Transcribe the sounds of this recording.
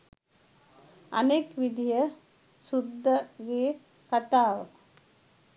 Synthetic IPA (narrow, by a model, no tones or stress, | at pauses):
ɐ̰nekʋid̪ijə | sud̪ʱːəɡeː | kat̪aːʋə